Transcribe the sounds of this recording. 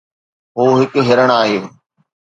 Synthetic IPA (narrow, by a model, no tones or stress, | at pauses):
ɦoːɦɪkɦɪɾəɽ̃aːɦjoː